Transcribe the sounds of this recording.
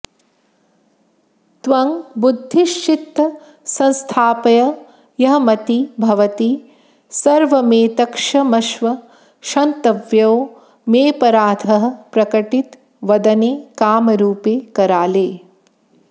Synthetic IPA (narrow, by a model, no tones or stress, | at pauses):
t̪ʋɐŋbud̪ʱːiʃt͡ʃit̪ːɐ | sɐ̃nst̪ʰaːpɐjɐ | jɐɦɐmɐt̪ibʱɐʋɐt̪i | sɐɾʋɐmeːt̪ɐkʂɐmɐʃʋɐ | ʃɐnt̪ɐʋjɐwo | meːpɐɾaːd̪ʱɐɦɐ̆pɾɐkɐʈit̪ | ʋɐd̪ɐneːkaːmɐɾuːpeːkɐɾaːleː